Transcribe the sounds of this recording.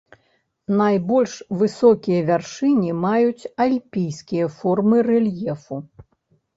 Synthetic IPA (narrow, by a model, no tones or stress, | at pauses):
najbɔlʲʂvɨsɔkʲijɐvʲarʂɨnʲimajut͡sʲalʲpʲijskʲijɐfɔrmɨrɛlʲjɛfu